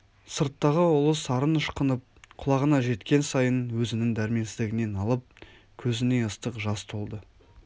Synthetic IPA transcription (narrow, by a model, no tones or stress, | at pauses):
səɾt̪ːɑʁəʊlˠəsɑɾənəʃqənəp̚qʰʊlˠɑʁənɑʒe̞t̪kʲe̞nsɑjənwɵzɪnɪŋd̪æɾme̞nsɪzd̪ɪɡʲɪne̞nɑlˠəp̚ | kʲʰɵzɪne̞əst̪əqʒɑst̪ʰo̞lˠd̪ə